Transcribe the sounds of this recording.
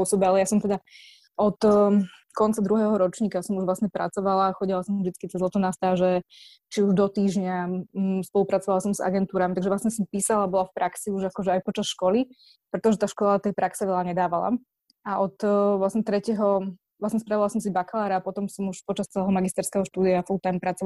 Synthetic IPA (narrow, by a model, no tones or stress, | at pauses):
ɔsɔbɛalɛjasɔmt̪ɛd̪a | ɔt̪ | kɔnt͡sad̪ɾuɦɛːɦɔɾɔt͡ʃɲiːkasɔmuʒʋlasɲɛpɾa̰t͡sɔʋalaxɔɟilˠasɔmvʒd̪it͡skit̪ɛzlɔt̪ɔnast̪aːʒɛ | t͡ʃiuʒd̪ɔt̪iːʒɲaspɔlˠupɾat͡sɔʋalasɔmza̰ɡɛnt̪uːɾamit̪aɡʒɛʋlasɲɛsɔmpiːsalaabɔlafpɾʔaksiuʒakɔʒɛajpɔt͡ʃasʃkɔli | pɾɛt̪ɔʒɛt̪aːʃkɔlat̪ɛjpɾaksɛʋɛlaɲɛd̪aːʋala̰ | aʔɔt̪ʋlasɲɛt̪ɾɛcɛɦɔ | ʋlasɲɛspɾaʋilasɔms̬ibaklaːɾaːpɔt̪ɔmsɔmuʃpɔt͡ʃast͡sɛlɛɦɔmaɡist̪ɛɾskɛɦɔʃt̪uːd̪iafɔlut̪ampɾat͡sɔʋa